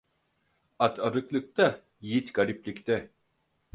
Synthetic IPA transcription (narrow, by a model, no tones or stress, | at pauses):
at̪ʰaɾɯklˠɯk̚t̪a | jit̪ɡaɾʲiplʲikt̪ɛ